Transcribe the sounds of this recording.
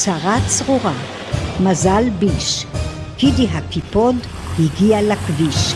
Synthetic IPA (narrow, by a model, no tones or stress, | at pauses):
t͡saʁat͡sʁuʁa | mazalbiʃ | kid̪iɦakipod | hiɡialakviʃ